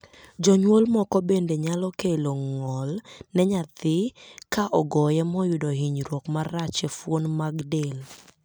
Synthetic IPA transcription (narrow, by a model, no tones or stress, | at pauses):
d͡ʒɔɲwolmɔkɔbendeɲalɔkeloŋɔlnɛɲat̪ɪkaʔɔɡɔjɛmɔjʊdoɦiɲɾwokmarat͡ʃefwonmaɡdel